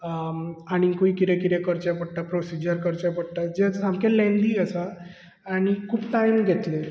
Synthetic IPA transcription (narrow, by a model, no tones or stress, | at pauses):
aɽ̃ikoikit̪ekiɾekəɾt͡ɕapəɽ̚ʈ̪apɾosid͡ʑəɾkəɾt͡ɕapəɽʈ̪ad͡ʑesamkelɛ̃nd̪iːəsaː | ɽ̃ikʰuːpʈajmɡʱet̪le